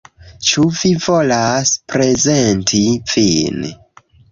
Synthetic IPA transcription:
t͡ʃuvivolaspɾe̞zentʰivin

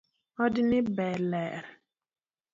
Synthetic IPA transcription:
ɔdnɪbɛlɛɾ

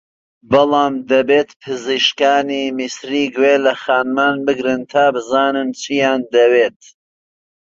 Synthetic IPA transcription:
bɨlˠɑːmd̪ɐbeːt̪pʰɨziʃkaːniːmisɾiːɡweːlɐxaːnmaːnbɨɡɾɨnt̪ʰaːbɨzaːnɨnt͡ʃʰijaːnd̪ɐweːt̪

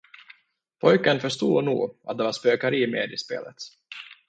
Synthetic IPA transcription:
pʰɔjkənfœʂt̪uːnṵːɡʔa̰t̪̚d̪ɛvaʂpøːkaɾiːmeːd̪ɪspḛːlə̰t̪

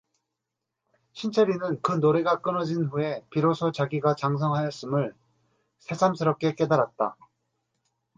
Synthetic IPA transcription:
ɕʰint͡ɕʰeɾinɯnkɯnoɾeɡak͈ɯnʌd͡ʑinɸue̞piɾosʰot͡ɕaɡiɡat͡ɕaŋs̬ʰʌŋɦajʌs͈ɯmɯɭ | sʰe̞sʰamsʰɯɾʌp̚k͈e̞k͈e̞daɾat̚t͈a̰

